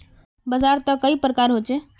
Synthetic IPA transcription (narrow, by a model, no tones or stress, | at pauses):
bəd͡ʒaɾt̪əkːəipɾəkaɾɦot͡ʃe